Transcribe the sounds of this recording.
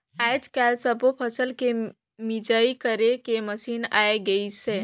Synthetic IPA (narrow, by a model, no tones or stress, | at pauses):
ad͡ʒkaːlsəbopʰəsəlke | mid͡ʒaikəɾekeməsiːna̰ːeɡəisẽ